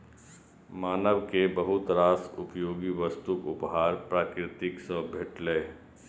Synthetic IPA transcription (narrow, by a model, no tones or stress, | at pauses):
maːnəʋkebɐɦʊt̪ɾaːsʊpjoːɡiʋəst̪ukʊpɦaːɾpɾaːkɾɪt̪ɪksəbʱeʈleː